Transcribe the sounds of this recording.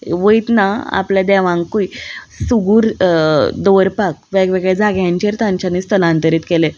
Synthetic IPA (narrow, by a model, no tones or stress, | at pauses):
ʋəit̪naa̰pljad̪ɛʋãŋkui | suɡuːɾ | d̪ɔɾpakʋəɡʋeɡɭad͡zʱaɡjãɲt͡ɕeɾt̪ãɲt͡ɕaniːst̪əlãnt̪əɾiːt̪kele